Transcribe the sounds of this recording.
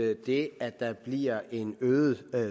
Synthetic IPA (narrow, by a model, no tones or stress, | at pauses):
d̥e̝æd̥ɑ̈b̥liɐ̰ʔe̝nøːð̩ˠ